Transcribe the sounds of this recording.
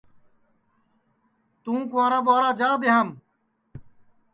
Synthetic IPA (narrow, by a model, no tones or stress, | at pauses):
t̪ũːkuãːɾãːbaːɾaːd͡ʑaːbeɦam